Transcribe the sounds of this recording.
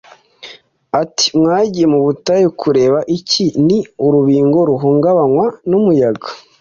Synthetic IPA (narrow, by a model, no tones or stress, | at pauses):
ati̥mŋaːɟijemuβutajekʰuɾe̞ːβaʔiciniuɾuβiːŋɡo̞ɾuɦuːŋɡaβaŋwanumujaɡḁ